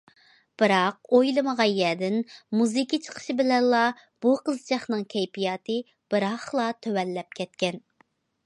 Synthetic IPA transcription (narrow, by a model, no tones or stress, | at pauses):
b̥ɨɾɑq̚ojlˠɨməʁɑjɛd̪ɪnmuzɨkʲit͡ʃʰə̥qʰə̥ʃibɪlɛnlˠɑ | b̥uqəzt͡ʃʰɑχnɨŋkʲʰɛjpʰijɑːt̪ɨ | b̥ɨɾɑχlˠɑt̪ʰøwɛlːɛp̚kʲʰɛt̪̚kʲɛn